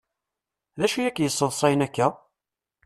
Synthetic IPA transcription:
ðæʃijækːjəsːəlsˤɑjnækːæ

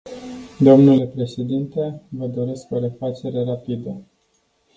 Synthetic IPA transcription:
d̪omnule̞pɾe̞ʃe̞d̪int̪e̞vəd̪o̞ɾe̞sko̞ɾe̞fat͡ʃe̞ɾe̞ɾapid̪ə

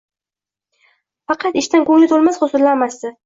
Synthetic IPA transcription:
fɑqʰɑt̪ɪʃt̪ankɵŋlɪt̪ʰolˠmasχosʊɾlanmast̪ɪ

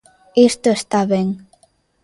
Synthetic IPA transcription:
est̪oest̪aβeŋ

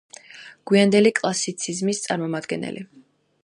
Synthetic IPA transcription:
ɡ̥wiand̪ɛlikʼlˠasit̪sʰizmist̪sʼaɾmɔmad̪ɡɛnɛ̰lʔḭ

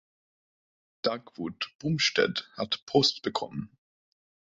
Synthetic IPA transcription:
d̥akv̥utb̥umʃtɛ̰thatpʰɔstb̥əkʰɔ̰mən

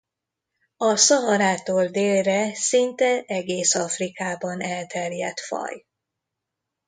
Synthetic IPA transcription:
ɒsɒɦɒɾaːt̪oːld̪eːlrɛsint̪ɛɛɡeːsɒfrikaːbɒnɛlt̪ɛrjɛ̰t̪fɒ̰j

